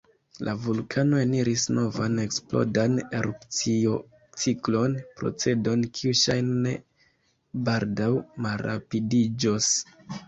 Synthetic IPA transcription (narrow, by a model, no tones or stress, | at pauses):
lʔavulkʰano̞eniɾisno̞vane̞ksplo̞̰dane̞ɾupt͡sio | t͡siklo̞npɾo̞̰t͡se̞do̞nkʰiuʃajnne | baldawmalɾa̰pidid͡ʒo̞s